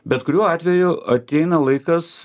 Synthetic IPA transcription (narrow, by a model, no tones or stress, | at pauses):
bʲɛt̪kʊɾʲuːɑːt̪ʲʋʲɛjʊɐt̪ʲɛɪnɐlˠɐɪkɐs